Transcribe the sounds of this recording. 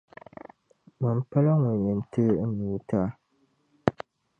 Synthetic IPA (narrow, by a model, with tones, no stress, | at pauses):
mɨ˨m˦pa˦la˦ŋʊ˨ɲɨ˨mtɨ˦ni˨˦ta˦